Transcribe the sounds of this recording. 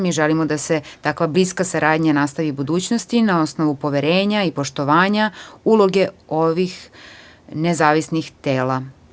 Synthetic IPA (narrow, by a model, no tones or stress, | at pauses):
miʒelimod̪ase̞t̪akʋabliskasaɾaːd̪ɲanast̪aʋibud̪uːt͡ɕnost̪inao̞sno̞ʋupo̞ʋeɾe̞ːɲaipo̞ʃt̪o̞ʋaːɲaulˠo̞ɡe̞o̞ʋix | nezaːʋisnixt̪eːla